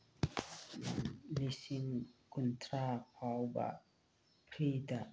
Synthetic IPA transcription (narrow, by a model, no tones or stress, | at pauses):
lisiŋkunt̪ʰɾapʰawba̰ | pʰɾida